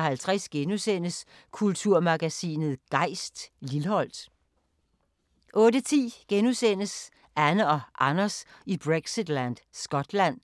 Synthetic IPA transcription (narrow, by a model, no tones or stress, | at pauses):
hælt͡sʰʁɛsɡ̥enusen̰əs | kʰult͡sʰuɐ̰mɑ̈ɡ̥æsḭːnð̞̩ˠɡ̥ɑ̈ɪ̰sd̥lilhɒ̽l̰d̥ | ʔɔ̽ːdət͡sʰḭːɡ̥enusen̰əs | ænəɒ̽ʔɑ̈nɐsib̥ʁeɡ̥sid̥lænd̥sɡ̥ɒ̽d̥læn̰